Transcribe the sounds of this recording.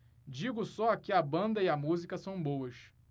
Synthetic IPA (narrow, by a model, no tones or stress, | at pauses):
d͡ʒiɡʊsɔakɪɐbɐ̃nd̪ɐiɐmuzikɐsɐ̃w̃bowɐʃ